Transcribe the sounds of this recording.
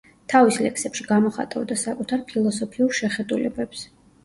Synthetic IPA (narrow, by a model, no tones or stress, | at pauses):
t̪ʰavislɛ̰kʰsɛpʃiɡamɔχa̰t̪ʼa̰vd̪asakʼut̪ʰaɾpʰilˠɔsɔpʰiuɾʃɛχɛd̪ulɛ̰bɛps